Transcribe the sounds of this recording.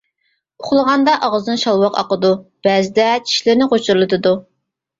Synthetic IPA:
oχlˠəʁɑnd̪ɑʔɑʁəzɨnɨʃɑlˠwɑqɑ̰qəd̪ub̥æːzɪd̪ɛt͡ʃʰi̥ʃlɪɾnɪqot͡ʃʰuɾlˠɨt̪ʰɨd̪u

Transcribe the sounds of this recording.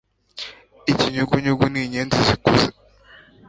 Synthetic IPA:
iciɲuɡuɲuɡuniɲenzizikuze

